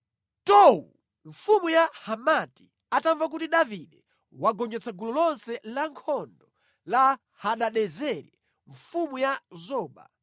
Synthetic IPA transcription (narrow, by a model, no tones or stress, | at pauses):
tɔwṵ | ɱfumujahamati̥ | ataɱvak̬utiɗaviɗɛ | waɡɔɲd͡ʒɛt͡sʰaɡulɔlɔnsɛlaŋkʰɔndɔ | la | haɗaɗɛzɛɾɛ | ɱfumujazɔːɓa̰